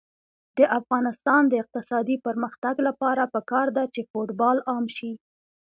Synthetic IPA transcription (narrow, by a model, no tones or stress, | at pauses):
d̪̥əʔafɣɑnɪst̪ɑnd̪əɪq̚t̪ɪsɑd̪ipəɾməxt̪aɡlapɑɾapəkɑɾd̪at͡ʃefoʈbɑlɑmʃi